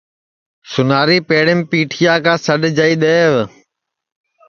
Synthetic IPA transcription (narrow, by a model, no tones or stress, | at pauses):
sʊnaːɾiːpeːɽɪmɪpiːʈʰɪjaːkãːsəɗd͡ʒaːiːɗ̪eːʋ